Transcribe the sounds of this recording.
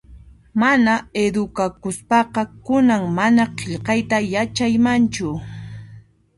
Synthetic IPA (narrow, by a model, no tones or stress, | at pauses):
manaed̪ʊkakʊspɑqɑkʊnaŋmanaqeʎqɑjt̪ajat͡ʃajmant͡ʃʊ